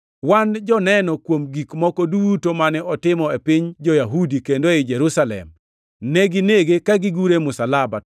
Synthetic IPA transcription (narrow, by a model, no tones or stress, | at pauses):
wand͡ʒɔnɛnɔkwomɡikmɔkɔduːtomanɛʔɔtɪmɔepɪɲd͡ʒɔjaɦudikendoɪd͡ʒɛɾusalɛ̰m | nɛɡɪneɡekaɡɪɡuɾemʊsalabat